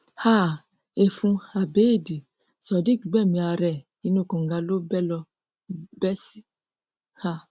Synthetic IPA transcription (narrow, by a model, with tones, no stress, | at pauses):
ha˦˨ | e˨fũ˧a˨be˨˦e˦˨di˨ | sɔ˨di˦ki˨ɡ͡bɛ˦˨mĩ˧a˧ɾɛ˨ | i˨˦nũ˦˨kɔ̃˨ŋ˨ɡa˧lo˦bɛ˦lɔ˧ | bɛ˦si˦ | ha˦˨